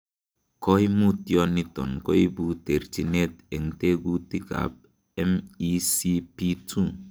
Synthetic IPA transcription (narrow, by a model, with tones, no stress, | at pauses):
kɔ˦i˦mu˦tjɔ˦ni˦tɔ̰˨nkɔ˦i˦bu˦te˨ɾt͡ʃi˨ne˦˨te˨ŋ̩˨˦te˦ɡu˦ti˦ɡa̰˨p̚ | ɛ˦mi˦si˦pi˦tu˦˨